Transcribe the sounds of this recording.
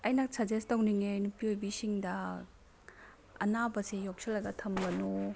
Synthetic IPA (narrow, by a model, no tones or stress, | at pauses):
ɐjnɐk̚sʰɐd͡ʒestɐwniŋenupiojbisiŋdɐ | ɐ̰nabɐsejok̚sʰelːɐɡɐtʰɐmɡɐnu